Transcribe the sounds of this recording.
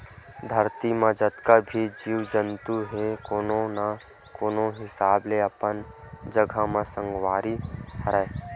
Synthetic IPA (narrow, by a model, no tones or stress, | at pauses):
d̪ʱəɾt̪imãd͡ʒət̪kabʱid͡ʒiːwd͡ʒənt̪uɦekoːnõna | koːnõɦɪsaːbleɐpən | d͡ʒəɡʱamãsə̃ŋɡwaːɾiɦəɾae